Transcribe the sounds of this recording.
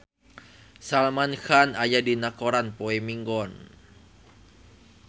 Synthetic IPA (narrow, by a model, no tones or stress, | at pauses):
salmanxanajadinakoɾanpoɛmiŋɡɔn